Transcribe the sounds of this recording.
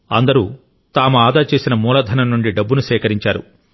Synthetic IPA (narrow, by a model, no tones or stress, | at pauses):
ɐ̰nd̪ɐɾṵː | t̪aːmuaːd̪aːt͡ʃe̞ːsinɐmuːlɐd̪ʱɐnɐmnːuɳɖiɖɐbːunuʃɛːkɐɾiɲt͡ʃaːɾṵ